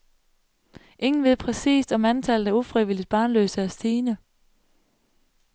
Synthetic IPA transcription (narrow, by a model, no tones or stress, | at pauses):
ʔe̝ŋn̩ʋe̝ð̞̰ˠpʰʁɛsḭːsd̥ɒ̽mænt͡sʰælð̩ˠæɐufʁiʋilid̥̚b̥ɑ̈ːnlø̰ːsəæɐsd̥iːnə